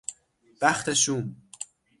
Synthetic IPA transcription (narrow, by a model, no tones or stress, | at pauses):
b̥æxt̪ʰeʃuːm